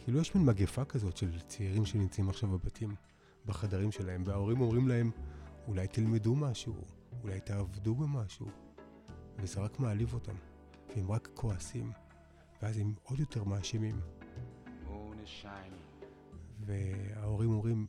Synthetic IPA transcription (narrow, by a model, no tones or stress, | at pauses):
kʰiːlujeʃminmaɡefakazo̞tʃe̞lt͡siiʁimʃenimt͡saimaχʃavbabatʰim | baχadaʁimʃe̞lahe̞mveao̞ʁimo̞mʁimlae̞mulajtilmedumaʃṵː | lajtaːvdubemaʃṵ | vezeʁakmaːlivo̞tam | veemʁakːʰo̞asim | veaze̞mo̞djo̞te̞ʁmaːʃimim | oneʃam | ve̞ao̞ʁimo̞mʁim